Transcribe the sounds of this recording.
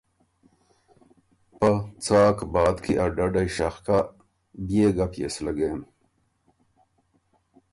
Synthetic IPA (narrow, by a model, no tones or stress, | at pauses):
pɐt͡saːkbaːd̪kiʔaɖɐɖajɕɐxka | bjeːɡɐpjḛslɐɡeːn